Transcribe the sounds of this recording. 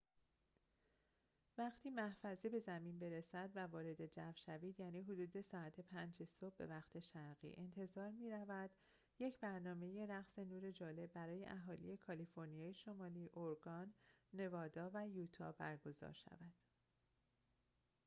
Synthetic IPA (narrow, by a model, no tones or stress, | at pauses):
væχt̪ʰiːmæhfæzibe̞zæmiːnbe̞ɾesæd̪vævɒːɾe̞d̪e̞d͡ʒæfʃæviːd̪jæːniːɦod̪uːd̪e̞sɒːæt̪ʰe̞pʰænd͡ʒe̞sobːe̞̰væχt̪ʰe̞ʃæɾɣḭːʔe̞nt̪ʰe̞zɒːɾmiːɾævæd̪̥ | je̞cʰbæɾnɒːme̞je̞ɾæɣse̞nuːɾe̞d͡ʒɒːle̞bːæɾɒːje̞̰ʔæɦɒːlḭje̞kʰɒlifo̞ɾnijɒːjeʃo̞mɒːliːʔoɾɡɒnːe̞vɒːd̪ɒːvæjuːt̪ʰɒ̰bæɾɡo̞zɒ̰ɾʃæ̰væd̪̥